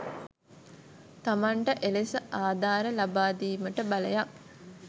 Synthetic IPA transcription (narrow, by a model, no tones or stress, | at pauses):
t̪amaɳʈəʔelesəaːd̪ʱaːɾəlabaːd̪iːməʈəbaləjak